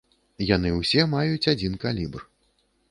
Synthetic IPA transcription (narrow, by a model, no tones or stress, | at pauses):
janɨwsʲɛmajut͡sʲad͡zʲinkalʲibr